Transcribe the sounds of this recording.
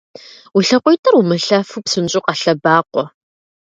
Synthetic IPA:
wiɬɐqʷʊjtʰʼɐrumɨɬaːfupsɨnt͡ʃʼʊqɑɬɐbaːqʷɔ

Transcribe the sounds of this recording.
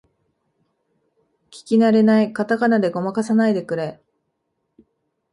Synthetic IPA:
kʲi̥kʲinaɾe̞naikat̪akanad̪e̞ɡo̞makasanaid̪e̞kɯ̟ɾe

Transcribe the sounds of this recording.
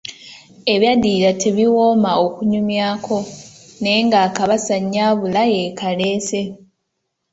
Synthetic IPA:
e̞βjadiːlatʰe̞βiwo̞ːmaokuɲumjaːkʰo̞ne̞ːŋɡaːkaβasaɲːaːβulaje̞kale̞ːse̞

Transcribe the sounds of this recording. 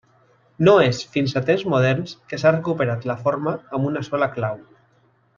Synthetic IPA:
noesfinsat̪emzmoð̞ɛɾnskesarekupeɾat̪lafoɾmaːmbunasɔlaklaw

